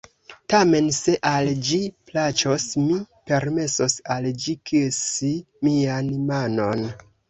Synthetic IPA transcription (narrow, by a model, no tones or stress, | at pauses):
tame̞nse̞ʔald͡ʒiplat͡ʃo̞smipe̞ɾme̞so̞sald͡ʒikiesi | mianmano̞n